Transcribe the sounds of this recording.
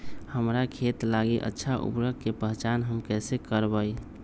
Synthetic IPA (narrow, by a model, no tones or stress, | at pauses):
həmɾakʰet̪laɡiʔə̰tːʃʰaʔṵpɾəkkːepəɦt͡ʃaːnɦəmkɛːsekəɾbəi